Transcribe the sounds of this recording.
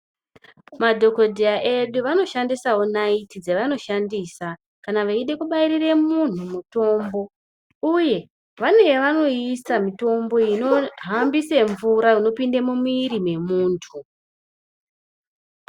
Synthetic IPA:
madʱo̞ko̞dʱiaʔe̞ɗuʋano̞ʃandisawonaitid͡zeʋano̞ʃandiːsa | kanaʋaiɗe̞kuɓairire̞mun̤umuto̞ːmbo̞ | uje̞ | ʋane̞jeʋano̞isamito̞mbo̞ino̞ɦambise̞ɱvuɾauno̞pindemumiɾime̞muːntʰu

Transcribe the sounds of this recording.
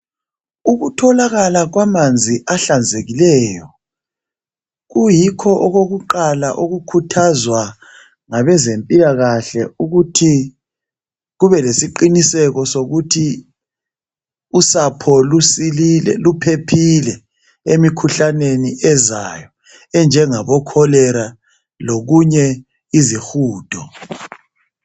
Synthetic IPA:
uɣutʰɔlaɣalaɣwamand͡zʱiʔaɬand͡zʱeɣilɛːjɔ | ɣujikʰɔʔɔɣoɣuǃalaʔoɣukʰutʰazwa | ŋaβɛzempʼilaɣaɬɛuɣutʰi | ɣuβɛlesiǃinisɛɣɔsoɣutʰi | usapʰɔlusililɛ̰lupʰepʰilɛ | emikʰuɬaneniɛza̰jɔ | ɛnd͡ʒʱɛŋaβɔkʰɔlɛɾa | loɣuɲɛ | izixuːd̥ʱɔ

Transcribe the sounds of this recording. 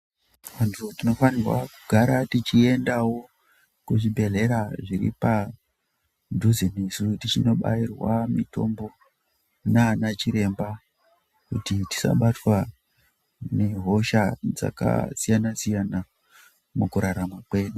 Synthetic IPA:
ʋantʰutino̞fanirwa̰kuɡʱaɾatit͡ʃie̞ndawo̞ | kuʐibʱe̞ɮe̞ɾaʐiɾḭpa | dʱuzinisutit͡ʃino̞ɓa̰irwamito̞̰mbo̞ | nanat͡ʃiɾe̞mba | kṵtiti̥sa̰ɓatwa | neɦo̞ʃad͡za̰ka̰sijanasijana | mukuɾaɾamakwe̞ːɗu

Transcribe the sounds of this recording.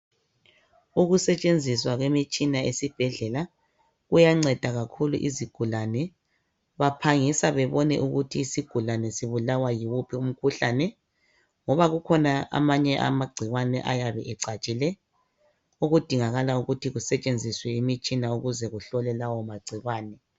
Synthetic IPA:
uɣusɛt͡ʃʼend͡zʱiswaɣwemit͡ʃʼinaesib̥ʱɛɮɛla | ɣujaŋ͡ǀɛd̥ʱaɣakʰulṵʔiziɡ̥ʱulanɛ | βapʰaŋisaβɛβɔnɛ̰ʔuɣutʰiːsiɡ̥ʱulanɛsiβulawajiwupʰium̩kʰuɬanɛ | ŋɔβaɣukʰɔnaʔa̰maɲɛʔa̰maɡ͡ǀʱiɣwanɛ̰ʔajaβɛʔɛǀat͡ʃʼilɛ | uɣud̥ʱiŋaɣalauɣutʰiɣusɛt͡ʃʼend͡zʱiswɛimit͡ʃʼinauɣuzɛɣuɬɔlɛlawɔmaɡ͡ǀʱiɣwaːnɛ

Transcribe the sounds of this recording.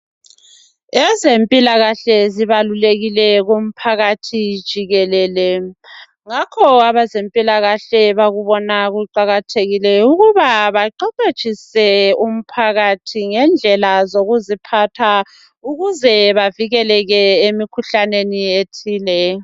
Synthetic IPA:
ɛzempʼilaɣaɬɛziβaluleɣilɛɣum̩pʰaɣatʰid̥ʒ̥ʱiɣɛlɛːlɛ | ŋakʰɔaβazempʼilaɣaɬɛβaɣuβɔnaɣuǃaɣatʰeɣilɛuɣuβaβaǃɔket͡ʃʼisɛum̩pʰaɣatʰiŋɛnd͡ɮʱɛlazoɣuzipʰatʰa | uɣuzɛβaviɣɛlɛɣɛemikʰuɬanenietʰiːlɛ

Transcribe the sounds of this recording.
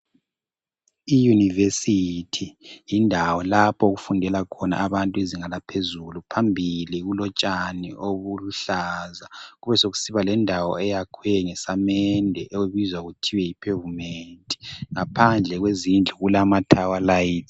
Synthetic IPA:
ijunivesitʰijindʱawɔlapʰɔɣufundʱɛlakʰɔna̰ʔaβantʼueziŋalapʰezulupʰambʱiliɣulɔt͡ʃʼanḭʔoβuluɬazaɣuβɛsoɣu̥siβalɛndʱawɔ̰ɛjakʰwɛŋɛsamɛndʱɛʔouβizwaɣutʰiwɛjipʰevumentʼi̥ŋapʰand͡ɮʱɛɣwezind͡ɮʱuɣulamatʰawalajit

